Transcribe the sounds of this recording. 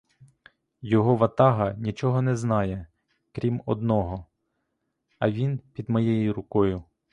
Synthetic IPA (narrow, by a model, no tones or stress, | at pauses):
jɔɦɔʋɐt̪ɑɦɐnʲit͡ʃɔɦɔnɛznɑjɛ | kɾʲimɔd̪nɔɦɔ | ɐʋʲinpʲid̪mɔjejiɾʊkɔjʊ